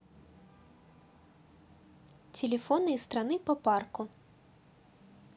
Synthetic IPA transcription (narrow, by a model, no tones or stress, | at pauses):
t͡sʲɛlʲɛfɔnɨjst̪ɾanɨpɐparku